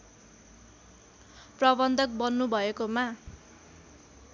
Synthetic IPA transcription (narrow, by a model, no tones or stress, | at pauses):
prʌbʌnd̪ʱʌk̚bʌnːubʱʌekoma